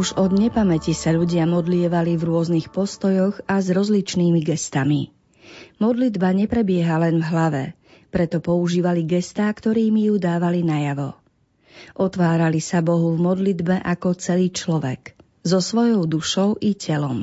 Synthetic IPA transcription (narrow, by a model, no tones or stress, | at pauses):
uʒɔd̪ɲɛpamɛcisaʎuɟɪamɔd̪lɪɛʋalivɾʊɔznixpɔst̪ɔjɔɣazɾɔzlit͡ʃniːmiɡɛst̪ami | mɔd̪lid̪baɲɛpɾɛbɪɛɦalɛnvɦlaʋɛ̰ | pɾɛt̪ɔpɔuʒiːʋaliɡɛst̪aːkt̪ɔɾiːmijud̪aːʋalinajaʋɔ | ʔɔt̪ʋaːɾalisabɔɦuvmɔd̪lid̪bɛʔakɔt͡sɛliːt͡ʃlɔʋɛ̰k | zɔsʋɔjɔʊd̪uʃɔʊʔicɛlɔm